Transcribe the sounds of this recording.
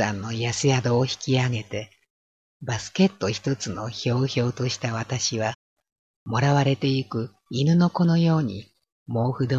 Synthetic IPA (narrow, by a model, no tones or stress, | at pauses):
ã̰nːo̞jasɨjad̪o̞ːçi̥kʲiaɡe̞t̪e̞ | basɨ̥ke̞t̪ːo̞çi̥t̪o̞t͡sɨno̞ço̞ːço̞ːt̪o̞ɕi̥t̪aβat̪aɕiβa | mo̞ɾaβaɾe̞t̪e̞ikɯ̟ | inɯ̟no̞ko̞nojo̞ːɲ̟ḭ | mo̞ːhɯ̟d̪o